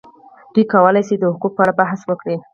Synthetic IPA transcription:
d̪̥ujkawəlajsid̪əhʊkuk̚pəaɽabaɦswəkɽi

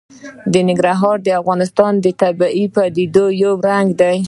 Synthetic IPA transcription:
d̪ənɪɡɾɑɦɑɾd̪əafɣɑnɪst̪ɑnd̪ət̪abaʔipad̪id̪ojawɾaŋɡd̪aj

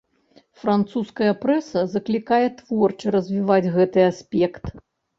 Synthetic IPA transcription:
fɾant̪suskɐjɐpɾɛsɐzɐklʲikajɛt̪vɔrt͡ʂɨɾɐzʲvʲivad͡zʲɣɛt̪ɨasʲpʲɛkt̪

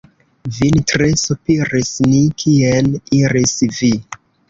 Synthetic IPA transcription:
vintɾesupiɾisnikʰieniɾisvi

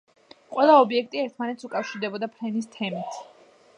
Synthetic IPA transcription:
qʼwɛlˠaɔbiɛk̚ʰt̪ʼiɛɾt̪ʰmanɛt̪sukʼafʃiɾd̪ɛbɔd̪apʰɾɛnis̬t̪ʰɛmit̪ʰ

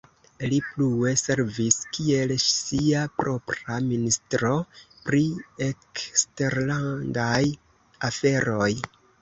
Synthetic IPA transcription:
liplue̞se̞ɾviskie̞lsiapɾo̞pɾaministɾo | pɾie̞kste̞ɾlandaj | afe̞ɾo̞j

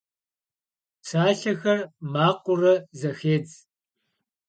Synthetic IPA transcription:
sʰaːɬɐxɐrmaːqʷʊrɐzɐxeːd͡z

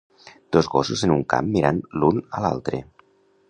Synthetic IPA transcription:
d̪̥ozɣɔsuzenuŋka̰mːiɾanlunəla̰lˠt̪ɾḛ

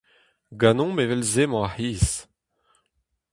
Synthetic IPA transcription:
ɡanɔ̃mevɛlzemɔ̃aħiːs

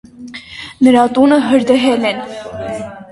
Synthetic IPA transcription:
nəɾɑt̪unəɦəɾd̪əɦɛlɛn

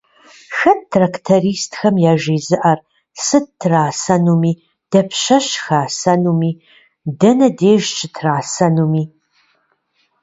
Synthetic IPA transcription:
xɐt̚tʰraktʰɐriːstʰxɐmjaːʒeːzɨʔɐr | sɨd̚tʰːraːsɐnuːmiː | d̥ɐpʰɕɐɕxaːsɐnuːmiː | dɐnɐdeːʒt͡ʃʼɪtʰraːsɐnuːmiː

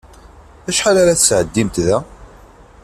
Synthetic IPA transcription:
æʃħalaɾaθəsʕəd̪ːimt̪ðæ

